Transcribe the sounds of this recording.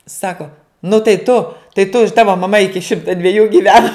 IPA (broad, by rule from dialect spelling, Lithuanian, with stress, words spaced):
ˈsɑːkoː nʊ tɐɪ ˈtʊ tɐɪ tʊ ɪ ˈtɑːʋɐ mɐˈmɐ ˈɪkʲɪ ˈʃʲɪmtɐ dʲʋʲɛˈjuː ɡʲɪˈʋʲæːnɐ